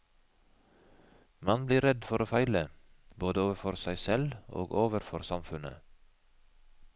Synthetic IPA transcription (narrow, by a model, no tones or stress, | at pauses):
mɑnbliːɾɛd̪fɔɾoːfæɪləboːd̪əoːʋəfɔɾsæɪsɛlo̰ːɡoːʋəɾfɔɾsɑmfʉnə̰